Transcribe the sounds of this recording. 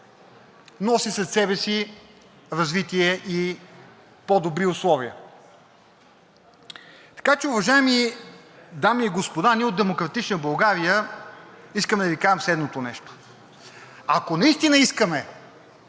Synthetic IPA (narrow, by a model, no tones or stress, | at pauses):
nɔsisɛt̪sɛbɛsi | ɾɐzvit̪iɛʔi | pɔd̪obɾiʊslˠɔviə̰ | t̪ɐ̥kat͡ʃɛʊvɐʒaɛmi | d̪amiːɡospod̪aniɛod̪d̪ɛmokɾɐt̪it͡ʃnəbɐlˠɡaɾijə | iskəmɛd̪ɐvikaʒɛmslɛd̪not̪onɛʃt̪o̥ | ɐkonɐist̪inəiskəmɛ